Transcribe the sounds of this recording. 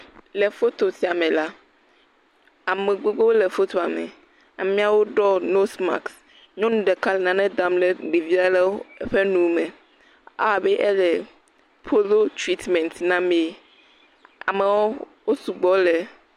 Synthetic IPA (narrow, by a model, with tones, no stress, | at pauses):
lɛ˨fo˦t̪o˨si˨a˨mɛ̃˨la˦ | a˨mẽ˨ɡ͡bo˦ɡ͡bo˦wlɛ˨fo˦t̪o˨a˨mɛ̰˨ | a̰˨mĩ˦a˨wo˦ɖɔ˦no˦sma̰˨ks | ɲɔ̃˦nũ˨ɖɛ˨ka˦lɛ˨nã˦nɛ̃˦d̪a˦mlɛ˦tɡ͡be˨vi˦a˦lɛ˦ɸɛ˦nũ˦mɛ̃˨ | a˨bɛ˦ʔɛ˦lɛ˨ | pʰo˦lo˦t̪ɾi˦t̪mɛ̃˨nt̪nã˦me˦ | a̰˨me˨wɔ˦ | wo˦su˨ɡ͡bɔ˦lɛ˨